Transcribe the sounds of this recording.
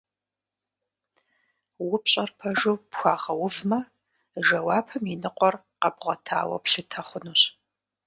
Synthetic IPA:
wʊpɕʼɐrpʰɐʒowpxʷaːʁɐwʊvmɐ | ʒɐwaːpʰɐminɨqʷʼɔr | qɐbʁʷɔtʰa̰ːwɐ̰pɬɨtʰɐχʷʊnuːɕ

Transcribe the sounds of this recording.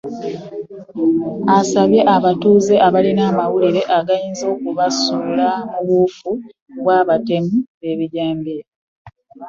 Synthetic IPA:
asaβje̞ʔaβatuːze̞ʔaβalinaːmawuliɾe̞ʔaɡajiːnzo̞ːkuβasulamuβufu | βwaːβate̞muβe̞βiɟaːmbi

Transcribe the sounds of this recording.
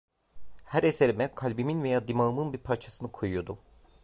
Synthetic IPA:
hæɾese̞ɾimɛkʰalʲbiminvejaːd̪imaɯmɯnbiɾpʰaɾt͡ʃʰasɯnɯkʰojujod̪u

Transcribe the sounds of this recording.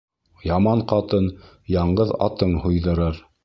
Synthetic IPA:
jɑmɑɴqɑt̪ɤn | jɑɴɢɤðɑ̰t̪ɤɴhujðɤ̆ɾɤɾ

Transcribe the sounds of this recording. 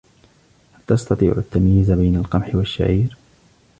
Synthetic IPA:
halt̪ɑst̪ɑt̪ˤḭːʕʊat̪ːamjɪzabajnalqɑmħɪwaʃːa̰ʕiːɾ

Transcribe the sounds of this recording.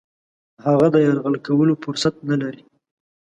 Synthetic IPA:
haɣad̪əjaɾɣəlkawəlofʊɾsat̪̚nalaɾi

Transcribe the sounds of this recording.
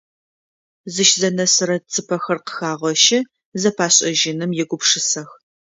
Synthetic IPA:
zɨʃzɐnɐsɨɾɐt͡sʰɨpʰɐxɐrqə̥xaːʁʷɔʃɪ | zɐpʰaːɕʼɐʒɪnɨmjɛɡʷʊpʂɨsɐx

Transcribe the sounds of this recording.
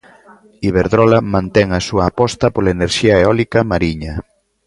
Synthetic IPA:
iβ̞eɾðɾɔlamãnt̪ɛŋasuɐːpɔst̪ɐpolaeneɾʃiaeɔlikɐmaɾiɲɐ

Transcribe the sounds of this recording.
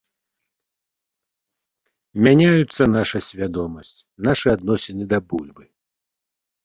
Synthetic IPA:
mʲanʲajut̪sːɐnaʂɐsʲvʲad̪ɔmɐsʲt͡sʲnaʂɨad̪nɔsʲɛnɨd̪ɐbulʲbɨ

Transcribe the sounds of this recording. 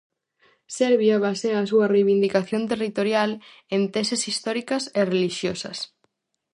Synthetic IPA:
sɛɾβjaβaseŋas̬uɐrejβind̪ikaθjont̪erit̪oɾjal | ent̪ɛsesist̪ɔɾikɐsereliʃjosɐ̰s

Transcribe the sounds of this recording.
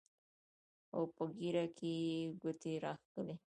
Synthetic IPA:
o̰wpəɡiɾakʰeɡət̪eɾɑxkəle

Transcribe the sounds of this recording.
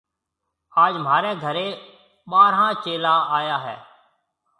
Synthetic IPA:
aːd͡ʒm̤aːɾeːɡʱəɾeː | ɓaːɾɦãːt͡ʃeːlãːaːjaːɦɛː

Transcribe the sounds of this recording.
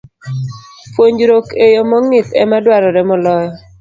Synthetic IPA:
pwoɲd͡ʒɾokejomɔŋɪt̪ɛ̰madwaɾɔɾɛmɔlɔjɔ

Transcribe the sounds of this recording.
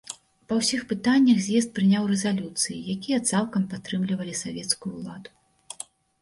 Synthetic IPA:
pɐwsʲixpɨt̪anʲːɐxzʲjɛs̬t̪̚pɾɨnʲawrɛzalʲut̪sɨjijakʲijɐt̪salˠkɐmpat̪ɾɨmlʲivɐlʲisavʲɛt̪skujuulˠad̪u

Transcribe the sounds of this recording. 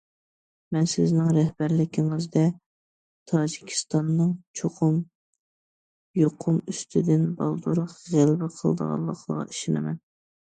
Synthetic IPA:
mɛnsɪznɪŋɾɛhbæɾlɪkʲʰɪŋɨzd̪ɛ | t̪ʰɑːd͡ʒikʲʰi̥st̪ɑnːɨŋt͡ʃʰoqʰʊm | joqʰʊmyst̪ʰɪd̪ɪnbɑ̰lˠd̪uɾʊqʁælbɪqʰəlˠd̪ə̰ʁɑ̰nˠlˠə̰qʰlˠəʁɑ̰i̥ʃɪnɪ̰mɛ̰n

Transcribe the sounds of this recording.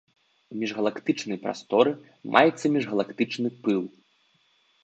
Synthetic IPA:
mʲɛʐɣɐlˠakt̪ɨt͡ʂnɐjpɾa̰st̪ɔɾɨ | mʔa̰jɛt̪sːɐmʲɛʐɣɐlˠakt̪ɨt͡ʂnɨpɨlˠ

